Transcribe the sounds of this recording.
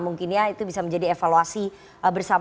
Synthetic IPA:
muŋkɪnɲait̪ubisaməɲd͡ʒadiefaluasi | əbərsam

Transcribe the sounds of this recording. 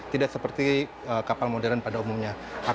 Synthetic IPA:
t̪idaksəpərt̪i | əkapalmodɛlanpadaumumɲa | a

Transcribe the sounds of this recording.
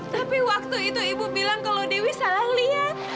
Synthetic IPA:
t̪apiwak̚t̪uit̪uibubilaŋkalodiwisalahliat̪̚

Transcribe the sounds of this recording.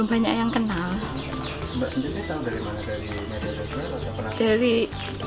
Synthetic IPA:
baɲa̰ʔjaŋkənal | mbaʔsənd̪iɾiit̪adaɾimanadaɾi | medadasɲa | apənad̥aɾi

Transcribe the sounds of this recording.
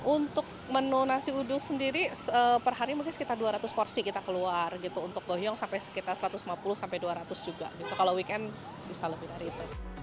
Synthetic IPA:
ʔunt̪ʊk̚mənonasiudʊŋsəndiɾiəpərɦaɾimaɡasə̥kit̪arduaɾat̪ʊspɔrsikit̪akəluarɡit̪uːnt̪ʊk̚ɡoɦjɔŋsampajsə̥kit̪arsəɾat̪ʊsmapulʊhsampajduaɾat̪ʊsd͡ʒuɡa̰ɡit̪ukalowikɛn | bisaləbɪhdaɾiːt̪uj

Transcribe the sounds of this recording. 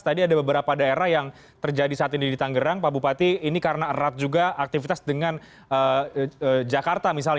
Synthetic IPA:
t̪adiadabəbəɾapadaeɾahjaŋ | t̪ərd͡ʒadisaat̪inidit̪aŋɡəɾaŋpabupat̪iːnikaɾənarat̪̚d͡ʒuɡaak̚t̪ifit̪asdəŋan | əəd͡ʒakart̪amis̬al

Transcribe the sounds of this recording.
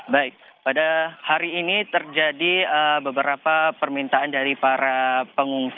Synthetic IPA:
baɪk̚ | padahaɾiːnit̪ərd͡ʒadiəbəbəɾapapərmint̪aandaɾipaɾapəŋuŋs

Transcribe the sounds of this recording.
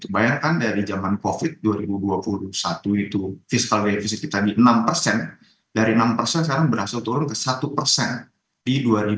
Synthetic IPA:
t̪ubajaŋkandaɾid͡ʒamankofɪt̪̚duaɾibuduapulusat̪uit̪ufiskalbefis̬ɪt̪̚kit̪adiʔənampərsɛn | daɾiənampərsɛns̬kaɾaŋbəɾhasalt̪uɾʊnkəsat̪upərsɛn | diduaɾi

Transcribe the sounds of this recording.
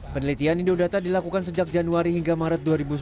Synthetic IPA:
pənəlit̪ianidodat̪adilakukansəd͡ʒak̚d͡ʒanuaɾihiŋɡamaɾət̪̚duaɾibus

